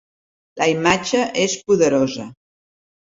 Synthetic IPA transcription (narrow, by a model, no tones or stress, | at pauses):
ləimad͡ʒəʔespuðəɾozə